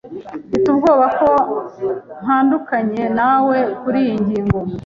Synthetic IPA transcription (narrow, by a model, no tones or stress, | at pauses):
fitubɡo̞ːβako̞ | m̥haːndukaɲe̞nawe̞kuɾijiɲɟiːŋɡo̞m